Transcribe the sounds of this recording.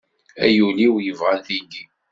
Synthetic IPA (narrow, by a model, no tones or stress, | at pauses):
æjuliwjəvʁænθini